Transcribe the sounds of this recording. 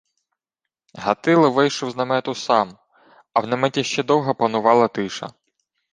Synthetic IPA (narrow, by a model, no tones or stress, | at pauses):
ɦɐt̪ɪlˠɪʋɪjʃʊwznɐmɛt̪ʊsɑm | ɐwnɛmɛtʲiʃt͡ʃɛd̪ɔwɦɐpɐnʊʋɑlˠɐt̪ɪʃɐ̰